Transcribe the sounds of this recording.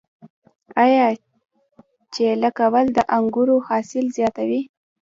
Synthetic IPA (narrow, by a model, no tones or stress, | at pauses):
ajɑ | t͡ʃeləkawəld̪əʔaŋɡuɾohɑsɪlzjɑt̪awi